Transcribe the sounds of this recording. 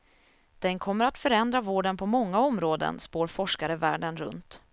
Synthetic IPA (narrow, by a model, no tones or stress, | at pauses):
d̪̥ɛnkʰɔmːəɾat̪fœɾɛnd̪ɾavoːɖənpʰɔmɔŋːaɔmɾoːd̪ə̰nspoːɾfɔʂkaɾəvæ̰ːɖənɾɵ̰nt̪